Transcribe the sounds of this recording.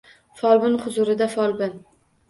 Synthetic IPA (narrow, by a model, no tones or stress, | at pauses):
fɒlˠbɪnχʊzʊɾɪd̪afɒlˠbɪn